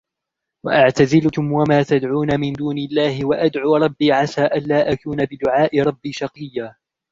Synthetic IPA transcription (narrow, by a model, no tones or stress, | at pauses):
wa̰ʔaʕt̪azɪlkʊmwamaːt̪ad̪ʕuːnamɪnd̪uːnɪlːaːhɪwaʔad̪ʕuːɾˤɑbːiːʕasaːʔanːaːʔakuːnabɪd̪ʊʕaːʔɪɾˤɑbːiːʃɑqɨjːaː